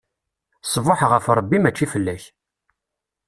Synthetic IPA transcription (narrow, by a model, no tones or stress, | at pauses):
sˤvoħʁəfɾˤəbːimæt͡ʃːifəlːæç